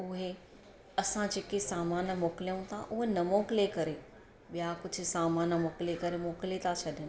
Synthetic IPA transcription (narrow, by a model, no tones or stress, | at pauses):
ʊɦe | ɐsãd͡ʑeːkesaːmaːnmoːkɪlijũt̪ʰaʔʊɦenɐmoːkɪlekɐɾe | ɓijakʊd͡ʑʱʊ̆saːmaːnmoːkɪlekɐɾemoːkɪlet̪ʰat͡ɕʰɐɗʱɪnɪ̆